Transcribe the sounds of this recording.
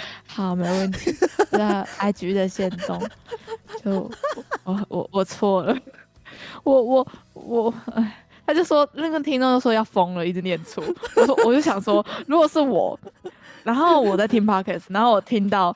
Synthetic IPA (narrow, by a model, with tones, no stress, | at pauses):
xɑ˨˩˦me˧˥ɪwə˥˩nt̪ʰi˨˧˦a˥˩a˧˥ɪt͡ɕy˧˥˧ə˨ɕjɛ˥˧nt̪ʊ˥˧ŋt͡ɕjo˥˩ʊ˨˦ɔ˧˩wʔɔ̰˨˩wɔ˨˩t͡sʰwɔ˥˩lə˩ | wɔ˨˩wɔ˨˩˦wɔ˨˩˥ | t̪ʰa˥t͡ɕjo˥˩ʊʂwɔ˥˩kə˥t̪ʰi˥ŋt̪o˥˧t͡ɕjo˥˧ʊ˩ʂjɑ˥˩ʊfɤ˥ŋlə˨i˥˩ʈ͡ʂ̩˥˧njɛ˥˩nt͡sʰu˥˩wɔ˨˩˥wɔ˥wɔ˨˩t͡ɕo˥˩ʊɕjɑ˨˩ŋʂwɔ˥ɻu˧˥ɡɔ˨˩ʂɻ̩˥˩wɔ̰˨˩˦na˧˥nxo˥˩ʊwɔ˨˩t͡sa˥˩ɪt̪ʰi˥ŋpʰa˥kʰɛ˥˩sna˧˥nxo˥˩ʊwɔ˨˩t̪ʰi˧˥ŋt̪ɑ˥˩ʊ